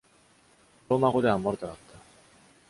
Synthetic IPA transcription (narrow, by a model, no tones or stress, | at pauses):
omakod̪eamːaɾɯt̪akat̪ːḁ